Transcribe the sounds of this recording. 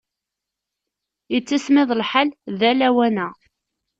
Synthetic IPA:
jət͡sːismɪðˤlħalðælæwænæ

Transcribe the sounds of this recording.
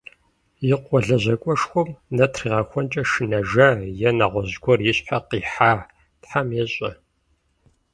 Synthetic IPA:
jɪqʷʼɔɮɐʑɐkʷʼɔʂxʷʊmnɐtʰriːʁɐxʷɔnt͡ʃʼɐʃɨnɐʒɐjɛnɐʁʷɔʑɡʷɔrjɪɕħaqiːħaː | tħamjɛɕʼɐ

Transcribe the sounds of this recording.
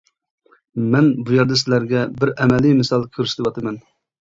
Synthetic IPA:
mɛnbujɛɾd̪ɛsɪlæɾɡʲɛbɪɾɛmɛlijmɪsɑlˠkʲʰøɾsɪ̥d̪ɨwɑt̪ʰɨmɛn

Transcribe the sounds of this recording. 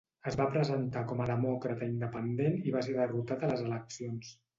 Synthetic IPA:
əzβapɾəzənt̪akɔməðəmɔkɾət̪əind̪əpənd̪eniβaseðərut̪at̪ələzələksions

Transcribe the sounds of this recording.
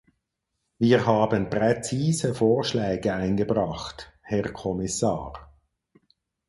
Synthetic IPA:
viːʁɦaːbənpʁ̥et͡siːzəfoːʁʃlɛːɡəaɪnɡəbʁɑχt | hɛʁkʰɔmɪsa̰ːʁ

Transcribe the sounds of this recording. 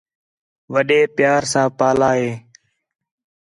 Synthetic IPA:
ʋəɗeːpjaːɾsãːpaːlaːɦeː

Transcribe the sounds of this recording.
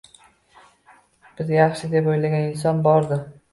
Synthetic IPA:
b̥ɪzjɑχʃɪd̪e̞pojlaɡʲanɪns̬ɒnbɒɾd̪ɪ

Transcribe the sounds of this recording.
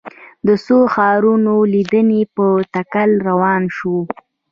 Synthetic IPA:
d̪əsoxɑɾunolid̪ənepət̪akalɾawɑnʃo

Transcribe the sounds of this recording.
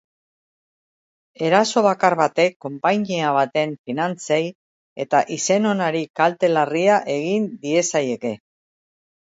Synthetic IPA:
e̞ɾaso̞β̞akaɾβat̪e̞kːo̞mpaɲiaβ̞at̪e̞ɱfinant͡sej | e̞t̪aʔise̞no̞naɾikalt̪e̞lariaʔe̞ɣind̪ie̞saje̞ke̞

